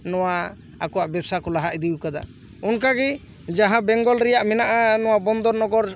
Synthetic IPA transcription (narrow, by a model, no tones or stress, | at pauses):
nɔwaː | kɔwaʔbɛbsakɔlaɦaʔd̪iwkad̪a̰ | unkaɡɛ | d͡ʒaɦãbɛŋɡɔlɾɛjaʔmɛnaʔanɔwabɔnd̪ɔɾnɔɡɔɾ